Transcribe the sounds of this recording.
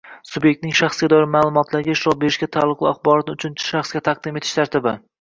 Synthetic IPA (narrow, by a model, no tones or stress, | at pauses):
subje̞k̚ʲt̪nɪŋʃɑχsɡʲad̪ɒjɪɾmaːlˠʊmɒt̪ʰlaɾɡʲaɪʃɾɒbe̞ɾɪʃɡʲat̪ʰalˠːʊqlɪaχbɒɾɒt̪ʊt͡ʃʰʊnt͡ʃʰɪ̥ʃɑχsɡʲat̪ʰɑq̚d̪ɪmet̪ʰɪ̥ʃt̪ʰaɾt̪ʰɪbɪ